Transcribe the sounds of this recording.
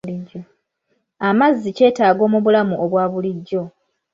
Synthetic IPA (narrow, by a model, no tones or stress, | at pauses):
liɟːo | amazːice̞ːtaːɡo̞ːmuβulamuʔoβwaːβuliɟːo̞